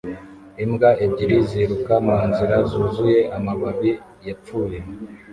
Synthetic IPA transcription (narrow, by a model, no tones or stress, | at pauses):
imɡaʔebɟiɾiziɾukamaːnziɾazuːzuje̞ʔamaβaβi | jap͡fuːje